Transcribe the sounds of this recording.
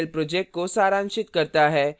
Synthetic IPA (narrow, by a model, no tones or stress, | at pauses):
lpɾod͡ʑek̚ʈ̚kosaɾãŋʃɪt̪kəɾt̪aɦɛ